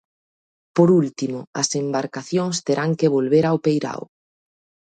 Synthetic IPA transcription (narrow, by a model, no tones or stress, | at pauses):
poɾult̪imʊɐsembaɾkaθjoŋst̪eɾaŋkeβ̞olβeɾawpejɾa̰w